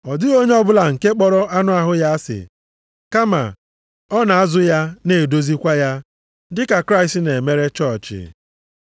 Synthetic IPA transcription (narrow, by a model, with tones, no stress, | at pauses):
ɔ˨dɪ˦ɣo˦ɲe˦ɔ˦bʊ˦la˨ŋ̩˨ke˦k͡pɔ˦ɾɔ˦ʔa˦nʊ˦a˨ɦʊ˦ja˦sɪ̰˨ | ka˦ma̰˨ | ɔ˦na˨a˦zʊ˦ja˦ne˨do˦zi˦kʷa˦ja˦ | dɪ˦ka˨kɾa˦ɪ˨sne˨me˦ɾe˦t͡ʃɔ˦˨t͡ʃɪ̰˨